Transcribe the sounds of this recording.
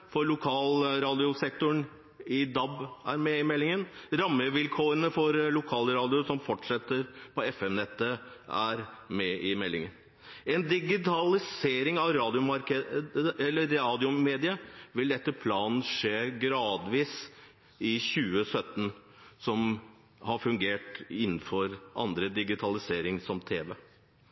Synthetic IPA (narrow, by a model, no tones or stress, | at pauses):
fɔɾlʊkʰɑːlɾɑːd̪ɪʊsɛk̚t̪ʊɳ | ɪd̪ɑbæɾmɛɪmɛlːɪŋənɾɑmːəʋɪlkʰoːɾənəfɔɾlʊkʰɑːləɾɑːd̪ɪʊsɔmfɔʈʂɛt̪ːəɾpʰɔɛfɛmnɛt̪ːəæ̰ɾmɛɪmɛlːɪ̰ŋə̰n | ɛnd̪ɪɡɪt̪ʰɑlɪseːɾɪŋɑʋɾɑːd̪ɪʊmɑɾkəəɛlːəɾːɑːd̪ɪʊmeːd̪ɪəʋɪld̪ɛt̪ːəpʰlɑːnn̩ʂeːɡɾɑːd̪ʋiːs | ɪçʉːəsœt̪ːn | sɔm | hɑɾfʉŋɡeːʈɪnːn̩fɔɾʔɑ̰nd̪ɾəd̪ɪɡɪt̪ʰɑlɪseːɾɪŋsɔmt̪ʰeːʋeː